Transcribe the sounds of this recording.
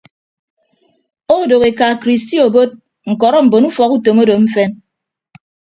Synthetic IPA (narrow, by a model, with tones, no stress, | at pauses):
o˦˨do˨ke˨ka˨kɾi˨sti˦o˨bo˦t̚ | ŋ̩˨kɔ˨ɾɔ˦m̩˨bo˨nu˦fɔ˨ku˦to˨mo˦do˨m̩˦fe˦n